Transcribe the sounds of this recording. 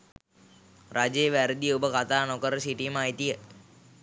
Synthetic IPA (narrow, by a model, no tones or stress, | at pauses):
rʔad͡ʒejʋæɾəd̪ijəubəkat̪aːnokəɾəsiʈimajt̪ijə